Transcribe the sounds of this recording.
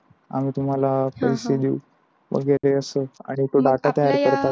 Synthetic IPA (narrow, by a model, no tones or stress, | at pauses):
a̰m̤iːt̪um̤alapəised̪iu | ʋə̰ɡeleəsəa̰ɽ̃it̪oɖaʈat̪əjaɾkəɾt̪a